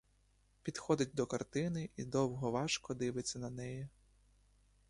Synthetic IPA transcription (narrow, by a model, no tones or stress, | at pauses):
pʲid̪̥xɔd̪ɪt̚ʲd̪ɔkɐrt̪ɪnɪʔid̪ɔwɦɔʋɑʃkɔd̪ɪʋɪt͡sʲːɐnɐnɛji